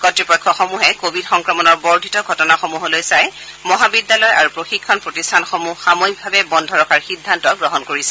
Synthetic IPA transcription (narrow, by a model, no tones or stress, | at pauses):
kɔtɹipɔkʰːɔxɔmuɦɛkobʱidxɔŋkɹɔmɔnɔɹbɔɹdʱitɔɡʱɔtɔnaxomuɦolojsajmɔɦabidːalɔja̰ɹupɹoxikʰːɔnpɹotistʰanxomuxamojiɡ̚bʱabɛbɔndʱɔɹɔkaɹxidʱːantɔɡɹɔɦɔnkoɹisɛ